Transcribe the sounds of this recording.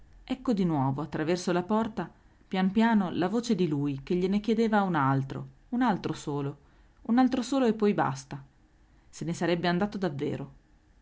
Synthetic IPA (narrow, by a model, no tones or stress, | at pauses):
ɛkːod̪inwɔːvoat̪ːɾavɛrsolapɔrt̪a | pjanpjaːnolavoːt͡ʃed̪ilujk̟eʎːenekjed̪eːvaunalt̪ɾo̰ | unalt̪ɾosoːlo | unalt̪ɾosoːloepːɔjba̰st̪a | senesaɾɛbːeand̪aːt̪od̪avːḛːɾo